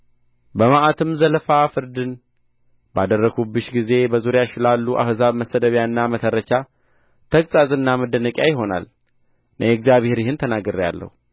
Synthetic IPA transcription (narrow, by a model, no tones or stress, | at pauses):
bəmaʔat̪ʰɨmzələfafɨɾd̪ɨn | bad̪ərːəɡubɨʃɡize̞bəzuɾjaʃɪlalːuʔa̰fzaβməsəd̪əβjanːamət̪ʰəɾːət͡ʃa | t̪ʰəkʼsʼazɨnːaməd̪ənəkʼjajɪɦo̞na̰l | nʔəjɛɛɡzjaβhe̞ɾjɪhɨnt̪ʰənaɡəɾja̰lːə̰hu